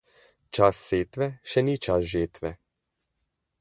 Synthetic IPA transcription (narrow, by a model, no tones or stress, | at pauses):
t͡ʃasːeːt̪ʋɛʃɛnit͡ʃasʒeːt̪ʋɛ